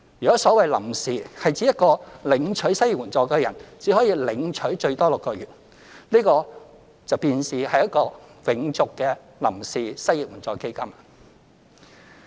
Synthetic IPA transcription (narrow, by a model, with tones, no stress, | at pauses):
jyː˨˩kɔ˨˥sɔː˨˥wɐ˨jlɐ̰˨˩msiː˨hɐ˨jt͡siː˨˥jɐ˥t̚kɔː˧lɪ˨˧˥ŋt͡ʃʰɵ˨˥ɥsɐ˥ji˨wuː˨˩nt͡sɔː˧˩kɛː˧jɐ˨˩nt͡siː˨˥hɔː˨˥jiː˧lɪ˨˧ŋt͡ʃʰɵ˨˥ɥt͡ʃɵ˧ɥt̪ɔː˥lʊ˨kːɔː˧ɥyː˨t̚ | liː˥kɔː˧ | t͡sɐ˨wpiː˨˧nsiː˨hɐ˨jɐ˥t̚kɔː˧wɪ˨˥ŋt͡sʊ˨kːɛː˧ | lɐ̰˨˩msiː˨sɐ˥ji˨wuː˨˩nt͡sɔː˨˧ke˥jkɐ˥m